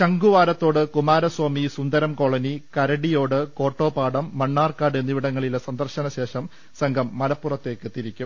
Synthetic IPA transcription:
ɕɐŋɡuʋaːɾɐt̪ːo̞ːɽɨkumaːɾɐswɐmisund̪ɐɾɐmko̞ːɭɐnikɐɾɐɽijo̞ːɽɨko̞ːʈːo̞ːpaːɽɐmːɐɳːaːrkaːɽenːiʋiɽɐŋːɐɭilesɐnd̪ɐrɕɐnɐɕe̞ːʂɐm | sɐŋɡʱɐmːɐlɐpːurɐt̪ːe̞ːkːɨt̪iɾikʲːum

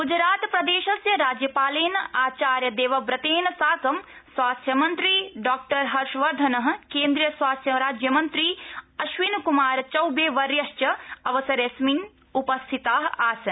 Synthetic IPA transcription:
ɡud͡ʒɾaːt̪pɾɐd̪eːʃɐsjɐɾaːd͡ʒjɐpaːleːnɐaːt͡ʃaːɾjɐd̪eːʋɐbɾɐt̪eːnɐsaːkɐmsʋaːst̪ʰjɐmɐnt̪ɾiɖaːk̚ʈɐɾɦɐɾʃʋɐɾd̪ʱɐnɐɦ̆keːnd̪ɾijɐsʋaːst̪ʰjɐɾaːd͡ʒjɐmɐnt̪ɾiɐʃʋinkumaːɾt͡ʃɐwbeːʋɐɾjɐʃt͡ʃɐɐʋɐsɐɾesmin | upɐst̪ʰit̪aːɦaːsɐ

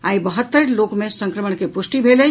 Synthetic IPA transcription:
aibəɦət̪ːəɾlokmesə̃ŋkɾəməɽ̃kepusʈibʱelə

